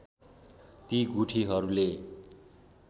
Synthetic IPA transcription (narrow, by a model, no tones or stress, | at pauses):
t̪iɡuʈʰiɦʌɾule